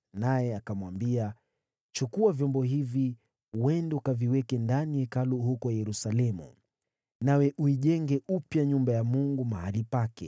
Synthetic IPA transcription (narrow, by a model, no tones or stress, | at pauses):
najɛakamwambia | t͡ʃukuavjɔmbɔɦivi | wɛndɛukaviwɛkɛndanijɛkaluhukɔjɛɾusalɛmṵ | nawɛʔuiʄɛŋɡɛupjaɲumbajamuŋɡumahalipakɛ̰